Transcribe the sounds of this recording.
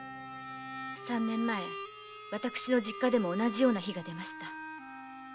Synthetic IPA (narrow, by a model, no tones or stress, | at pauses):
sãnːẽ̞mːae̞ | βat̪akɯ̟̥ɕino̞ʑikːad̪e̞mo̞ːnaʑijo̞ːnaçiɡad̪e̞maɕi̥t̪a